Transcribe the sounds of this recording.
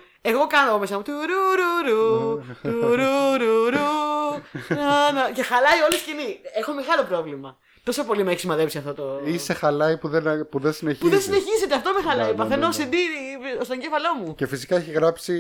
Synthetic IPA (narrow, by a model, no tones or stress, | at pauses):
e̞ɣo̞kɐnoɣomesɐmot̪iɾuɾuɾu | uɾuɾuɾu | enɐce̞xɐlɐio̞lisciniexo̞meɣɐlo̞pɾo̞vlimɐ | t̪o̞so̞po̞limeçizmɐðe̞psiɐft̪o̞t̪oisexɐlɐipuðepuðensineçpuiðensine̞çize̞t̪eɐft̪o̞mexɐlɐipɐθenosid̪iɾist̪oɲɟefɐlo̞muce̞fisi̥kɐeçiɣɾɐpsi